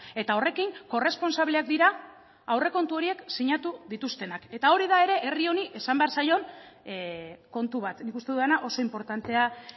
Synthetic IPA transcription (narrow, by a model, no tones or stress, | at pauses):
e̞t̪ao̞re̞kiŋko̞re̞spo̞nsaβleak̚d̪iɾa | awre̞ko̞nt̪uo̞ɾie̞ksiɲat̪uðit̪ust̪e̞nake̞t̪ao̞ɾiðae̞ɾe̞ʔe̞rio̞niʔe̞sambe̞aɾsajo̞n | ko̞nt̪uβat̪nikust̪e̞ðuðenaʔo̞so̞impo̞ɾt̪ant̪e̞a